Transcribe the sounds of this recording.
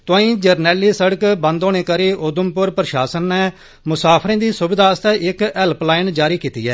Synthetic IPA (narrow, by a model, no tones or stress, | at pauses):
t̪ãːĩːd͡ʒəɾnɛːliːsəɽəkbə̃nd̪oːneːkəɾeːʔʊd̪əmpʊɾpəɾəʃaːsənːɛː | mʊsaːpʰɾẽːd̪iːsʊbɪd̪aːəst̪ɛːʔɪkɛlplaːɪnd͡ʒaːɾiːkiːt̪ḭːɛː